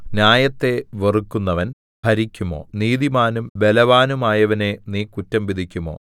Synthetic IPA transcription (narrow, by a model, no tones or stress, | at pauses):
njaːjɐt̪ːe̞ʋerukːunːɐʋɐn | bʱɐɾikʲːumo̞̰ːniːðimaːnumʋe̞lɐʋaːnumaːjɐʋɐne̞niːkutːɐmʋid̪ʱikʲːumo̰ː